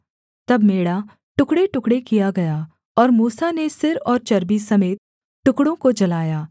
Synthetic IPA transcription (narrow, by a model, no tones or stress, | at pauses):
t̪ɐbmeːɽa | ʈʊkɽeʈʊkɽekijaɡɐja | ɔːɾmuːsanesɪɾɔːɾt͡ʃɐɾbisɐmeːt̪̚ | ʈʊkɽõkod͡ʒɐlaːjaː